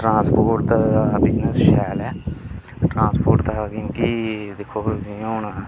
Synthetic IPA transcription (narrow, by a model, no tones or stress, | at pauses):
ʈɾãːspoːʈt̪ːbɪd͡ʒnəsʃɛːlɛː | ʈɾãːspoːɾʈt̪akjõːkid̪ekʰːoːd͡ʒiɳa